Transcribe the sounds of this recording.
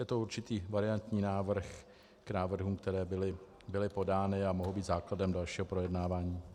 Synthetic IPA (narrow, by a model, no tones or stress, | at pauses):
jɛt̪ouɾt͡ʃɪt̪iːvaɾɪant̪ɲiːnaːvr̩x | knaːvr̩ɦumkt̪ɛɾɛːbɪlɪ | bɪlɪpo̞daːnɪamoɦowbiːt̪zaːkladɛmdalʃiːɦo̞pɾo̞jɛdnaːvaːɲiː